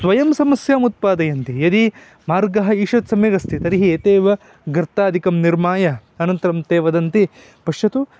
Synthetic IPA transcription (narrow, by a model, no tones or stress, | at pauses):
sʋɐjɐmsɐmɐsjaːmut̪̚paːd̪ɐjɐnt̪ijɐd̪i | maːɾɡɐɦɐiːʂɐt̪sɐmjɐɡɐst̪it̪ɐɾiɦieːt̪eːʋɐ | ɡɾt̪aːd̪ikɐmniɾmaːjɐɐnɐnt̪ɐɾɐmt̪eːʋɐd̪ɐnt̪i | pɐʂjɐt̪u